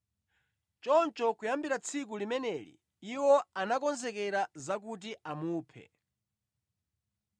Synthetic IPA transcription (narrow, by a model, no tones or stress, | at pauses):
t͡ʃɔnt͡ʃɔkujambiɾat͡sʰik̬ulimɛnɛlḭ | iwɔanakɔnzɛkɛɾazak̬ut̬iamuːpʰɛ̰